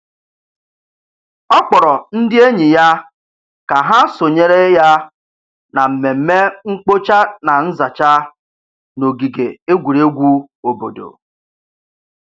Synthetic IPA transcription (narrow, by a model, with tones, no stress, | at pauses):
ɔ˦k͡pɔ˨ɾɔ˨n̩˦dɪ˦e˦ɲi˨ja˦ | ka˨ɦa˦so˨ɲe˦ɾe˦ja˦ | na˨m̩˨me˨m̩˦me˦ŋ͡m̩˦k͡po˦t͡ʃa˦na˨n̩˦za˨t͡ʃa˦ | no˨ɡi˨ɡe˨e˦ɡʷu˨ɾe˦ɡʷu˦ | o˨bo̰˨do̰˨